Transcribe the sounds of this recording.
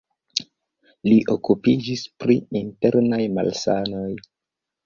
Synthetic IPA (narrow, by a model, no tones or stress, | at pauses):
liʔokupid͡ʒispɾiinte̞ɾnajma̰lsano̞j